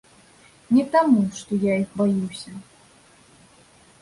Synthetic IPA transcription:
nʲɛt̪amuʂt̪ɔjaixbajuwsʲɐ

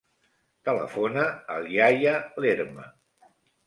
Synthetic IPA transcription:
t̪ələ̰fonəːljajəleɾmə̰

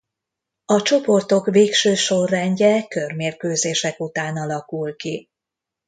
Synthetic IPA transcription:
ɒt͡ʃo̞po̞rt̪o̞kveːkʃøːʃo̞rːɛɲɟɛkø̞rmeːrkøːzeːʃɛkut̪aːnɒlɒkulki

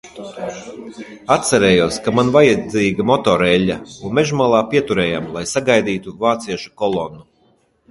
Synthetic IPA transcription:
at̪sɛɾɛːjuɔskamanvajad̪ziːɡamɔt̪ɔɾɛʎʲːaunmeʒmalˠaːpʲiɛt̪uɾɛːjamlˠajsaɡajd̪iːt̪uvaːt̪siɛʃu̥kɔlˠɔnːu

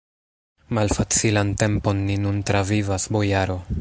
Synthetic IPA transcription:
malfat͡silante̞mpo̞nːinuntɾavivasbo̞jaɾo̞

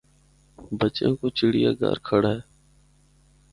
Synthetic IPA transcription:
bət͡ʃẽːkoːt͡ʃiɽijaːɡa̰ːɾkʰəɽaːeː

